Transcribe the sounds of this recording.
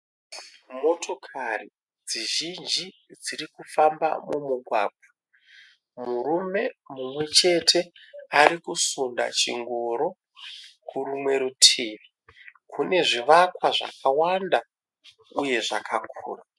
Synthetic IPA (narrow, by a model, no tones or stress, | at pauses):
mo̞tʰo̞kʰari | d͡ziʒind͡ʒi | d͡ziɾikufamba̰mumuɡʱwaːɡ̚ʱwa | muɾume̞mumwe̞t͡ʃe̞tʰe̞aɾikusunda̰t͡ʃḭŋɡoɾo̞ | kʰuɾumwe̞ɾutʰiːʋi | kʰune̞ʐiʋakwaʐa̰kʰawanda | uje̞ʐakakʰṵːra